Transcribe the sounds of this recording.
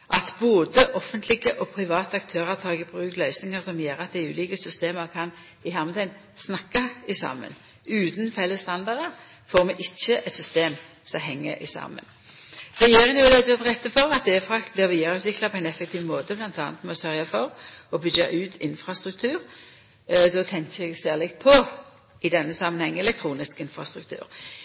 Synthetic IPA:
ʔɑt̪boːd̪əʔɔfənt̪ʰlɪɡəʔɔpʰʁɪʋɑːt̪əɑkt̪ʰøːʁət̪ʰɑːɡəbʁʉːklœʏsnɪŋəʁsɔmjeːʁɑt̪̚d̪æɪʉːliːkəsʏst̪eːməʁkʰɑn | ɪhɑʁməd̪ɛɪn | snɑkːɑɪsɑ̰ːmə̰n | ʉːt̪nfɛlːəst̪ɑnd̪ɑʁd̪əʁ | foːʁmɛʔɪçːəʔɛt̪sʏst̪eːm | sɔɦɛŋːə̰ʔɪ̰sɑ̰ːmə̰n | ʁɛjeːʁɪŋʋlɛd̪ɛʁt̪ʁɛt̪ːəfɔʁɑt̪̚d̪eːfʁɑkt̪̚blɪʁʋiːd̪ɑʁʉːt̪ʋɪklɑpʰɔɛɪnɛfːɛk̚t̪ʰiːʋmoːd̪əblɑnt̪ʰɑːnət̪mɛsœʁjɑfɔʁɔbʏɡɑʔʉːt̪ʰɪnfʁɑst̪ʁʉk̚t̪ʰʉːɾ | d̪ɔt̪ʰɛŋkəɛɡsæːʁlɪkt̪̚pʰɔ | ɪd̪ɛnːəsɑmːənhɛŋːɛlɛkt̪ʰʁuːnɪskɪnfʁɑst̪ʁʉk̚t̪ʰʉ̰ːʁ

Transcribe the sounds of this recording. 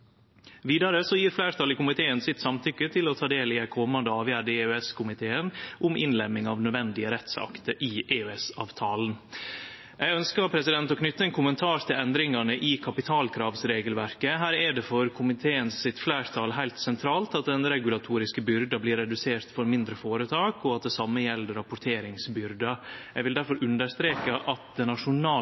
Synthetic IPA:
ʋiːd̪ɑɾəsɔjiːɾflæːɾt̪ʰɑːlɪkʊmɪt̪ʰeːənsɪt̪sɑmt̪ʰʏkːət̪ʰɪlɔt̪ʰɑːd̪eːlɪæɪkʰɔmɑnd̪əɑːʋjæːɖəʉɛskʰʊmɪt̪ʰeːənʔʊmʔɪ̰nlɛmɪŋɑʋnœd̪ʋɛnd̪ɪəɾɛt̪sɑ̰kt̪əɾʔɪʔeːʉɛsɑ̰ːʋt̪ʰɑːlən̩ | jɛɡœnskəɾpʰɾɛsɪd̪ɛnt̪ɔkʰnʏt̪ːəɛnkʰʊmənt̪ʰɑːɾt̪ʰɪlɛnd̪ɾɪŋɑnəʔɪkʰɑpɪt̪ʰɑːlkʰɾɑːʋsɾeːɡəlʋæɾkəɦæːɾɛɖɛfɔɾkʰʊmɪt̪ʰeːənsɪt̪flæːɾt̪ʰɑlɦæɪlt̪sɛnt̪ʰɾɑːlt̪ɑt̪̚d̪ɛnɾɛɡʉlɑt̪ʰuːɾɪskəbʏɾd̪ɑbliːɾːɛd̪ʉseːɾt̪fɔɾmɪnd̪ɾəfoːɾət̪ʰɑːkɔɑt̪̚d̪ɛsɑmːəjɛlːəɾɑpʊʈ̪ʰeːɾɪŋsbʏɾd̪ɑjɛɡʋɪld̪æɾfɔɾʔʉnd̪əst̪ɾeːkəʔɑt̪̚d̪ɛnɑʂʊnɑː

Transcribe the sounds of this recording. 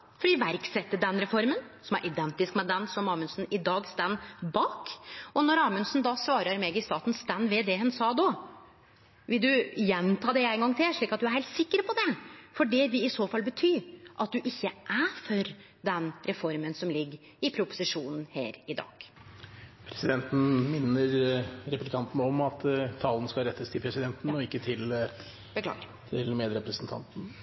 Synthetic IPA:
fɔɖiːʋæɾksɛt̪ːəɖɛnɾɛfɔɾmənsɔmæ̰ɾʔɪd̪ɛnt̪ɪskmɛd̪ɛnsɔmɑːmʉnsn̩ɪd̪ɑːɡst̪ænːbɑːkɔnɔɾɑːmʉnsnd̪ɑsʋɑːɾəɾmeːɡɪst̪ɑːt̪n̩st̪ænːʋeːd̪eːhʉnsɑːd̪ɔ | ʋɪld̪ʉjɛnt̪ʰɑːd̪ɛæɪŋɡɑŋːt̪ʰɪlʂɭiːkɑt̪̚d̪ʉæɾhɛɪlt̪sɪkːəɾpʰɔd̪ɛfɔɖɛʋɪɪsoːfɑlbət̪ʰyːʔɑt̪̚d̪ʉʔɪçːəʔæfɔɾ | d̪ɛnɾɛfɔɾmənsɔmlɪɡːəɾ | ɪpʰɾʊpʊ̥sɪʂuːnn̩hæ̰ːɾɪd̪ɑ̰ːɡ̥ | pʰɾɛsɪd̪ɛnt̪n̩mɪnːəɾɾɛplɪkʰɑnt̪n̩ɔmɑt̪t̪ʰːɑːln̩skɑlɾɛt̪ːəst̪ʰɪlpʰɾɛsɪd̪ɛnt̪n̩ɔɪkːət̪ʰɪl | b̥əkʰlɑ̰ːɡɪ | t̪ʰɪlmeːd̪ɾɛpɾəsn̩t̪ʰɑ̰nt̪n̩

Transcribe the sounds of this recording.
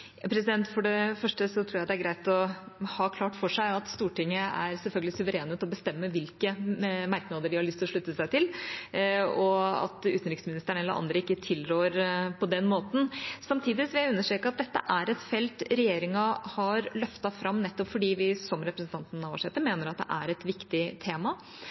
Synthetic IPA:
jɑpʰɾɛs̬ɪd̪ɛnt̪fɔɖɛfœʂʈəsɔt̪ʰɾuːjæɪd̪ɛæɾɡɾæɪt̪ɔhɑːkʰlɑːʈfɔʂæɪɑt̪st̪uːʈɪŋːəæ̰ɾsɛlfœlɡəlɪsʉʋəɾeːnət̪ɔbəst̪ɛmːəʋɪlkəmæɾknɑːd̪əɖɪhɑɭʏst̪lɔʂɭʉt̪ːəsæɪt̪ʰɪl | ɔɑ̰t̪ʉːt̪ənɾɪksmɪnɪst̪əɳɛlːəɾʔɑ̰nd̪ɾəɪkːət̪ʰɪlɾøːɾpʰɔd̪ɛnmoːt̪n̩sɑmt̪ʰiːd̪ɪsʋɪæʉnːəʂʈɾeːkəɑt̪̚d̪ɛt̪ːə̰ʔæɾɛt̪fɛlt̪ɾɛjeːɾɪŋɑhɑɾlœft̪ɑfɾɑmːnɛt̪ːɔpfɔɖiːʋɪsɔmɾɛpɾəsn̩t̪ɑnt̪nɑʋɑʂɛt̪ːəɾmeːnəɾɑt̪̚d̪ɛ̰ʔæ̰ɾɛt̪ʋɪkt̪ɪt̪ʰeːmɑ

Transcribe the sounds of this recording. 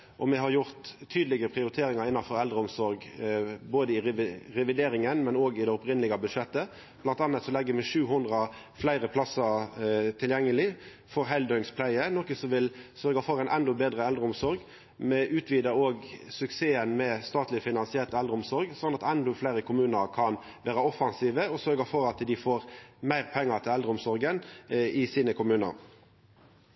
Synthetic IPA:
ʔɔmɛɦɑɾjʊʁt̪ʰːyːd̪lɪɡəpʰʁɪʊɾɪt̪ʰeːɾɪŋɑʁɪnːɑfɔɾɛld̪ɾəɔmsɔɾɡboːd̪əɪʁɛʋɪd̪eːɾɪŋənmɛnoːɡɪd̪ɛʊpɾɪnlɪɡəbʉʂɛt̪ːə | blɑnt̪ɑnət̪sɔlɛɡːəmɛʂʉːɦʊnd̪ʁɑ | flæɪɾəpʰlɑsɑt̪ʰɪljɛŋːəlɪ | fɔɾɦæɪld̪œʏŋspʰlæɪənɔkəsɔʋɪlsœɾɡɑfɔɾæɪnʔɛnd̪ɔbeːd̪ʁəɛld̪ɾəʊmsɔɾɡ | mɛʔʉːt̪ʰʋiːd̪əoːɡsʉkseːənmɛst̪ɑːt̪lɪfɪnɑnsɪæt̪ɛld̪ɾəʊmsɔɾɡsɔnːɑt̪ɛnd̪ɔflæɪɾəkʰʊmʉːnəɾkʰɑn | ʋæːɾəɔfɑnsiːʋəɔsœɾɡɑfɔɾɑt̪d̪ɪfoːɾmæɪʁpʰɛŋːət̪ʰɪlɛld̪ɾəʊmsɔɾɡənɪsiːnəkʰʊmʉːnə̰ɾ

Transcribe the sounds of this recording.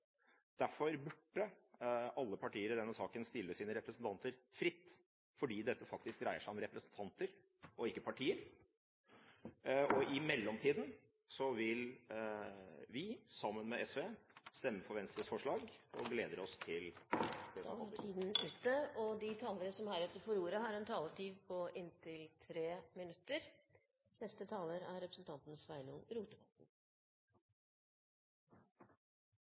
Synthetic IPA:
d̪̥æɾfɔɾbʉɖːə | ɑlːəpʰɑʈiːəɾd̪ɛnːəsɑːkənst̪ɪlːəsiːnəɾɛpɾəsən̩t̪ʰɑnt̪əɾfɾɪt̪ː | fɔɖiːd̪ɛt̪ːəfɑk̚t̪ɪsk̚d̪ɾæɪəʂæɪɔmɾɛpɾəsən̩t̪ʰɑnt̪əɾ | ɔɪkːəpʰɑʈʰiːəɾ | ɔʔɪmɛlːɔmt̪ʰiːd̪n̩ | sɔʋɪl | ʋɪsɑmːənmɛɛsʋeːst̪ɛmːəfɔɾʋɛnst̪əsfɔʂɭɑːɡɔ̰ɡleːd̪əɾɔst̪ʰɪlɛd̪̰æt̪ʰiːd̪n̩ʉːt̪əɔd̪ɪt̪ʰɑːləɾəsɔmhæɾɛt̪ːəɾfɔɾuːɾəɦɑɾɛnt̪ʰɑːləʈʰiːʋpʰɔʔɪnt̪ʰɪlt̪ʰɾeːmɪnʉt̪ːəɾ | nɛst̪ət̪ʰɑːləɾæɾɾɛpɾəsn̩t̪ʰɑnt̪n̩sʋæɪnunɾuːt̪əʋɑt̪n̩

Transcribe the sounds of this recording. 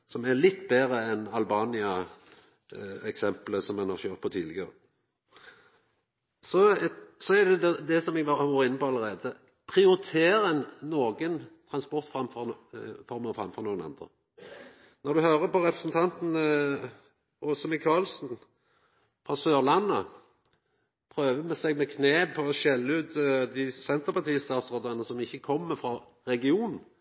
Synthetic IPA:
sɔmɛlɪt̪ːbeːʁəɛnɑlbɑːnɪɑ | ɛksɛmpləsɔmːɛnhɑœʁt̪̚pʰɔt̪ʰiːd̪lɪɡəʁə | sɔsɔæd̪ɛd̪ɛd̪ɛsɔmɛɡʋɑʋuːɾəɪnːəpɔɑləɾeːd̪ə | pʰʁɪʊɾɪt̪ʰeːɾɛnːoːɡənt̪ʰʁɑnspɔʁt̪fʁɑmfɔfɔɾmɑfʁɑ̰mfɔʁnuːənɑ̰nd̪ʁə̰ | nɔɾd̪ʉhøːɾəpɔɾɛpɾəsn̩t̪ʰɑnt̪n̩ | ʔɔsɔmɪkʰɑːlsn̩ | fɾɑsøːʁlɑnːə | pʰɾøːʋəmɛsɛɡ̚mɛkʰneːpʰɔːʃɛlːəʉːt̪d̪ɪsɛnt̪əɾpɑt̪ʰiːst̪ɑːt̪sʁoːd̪ənəsɔmɪçːəkʰɔmːəfɾɑ | ɾɛɡɪuːnn̩

